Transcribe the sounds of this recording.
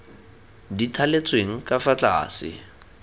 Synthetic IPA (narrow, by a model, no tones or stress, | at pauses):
ditʰalet͡sʼweŋ̩kʼafat͡ɬa̰ːsɪ̰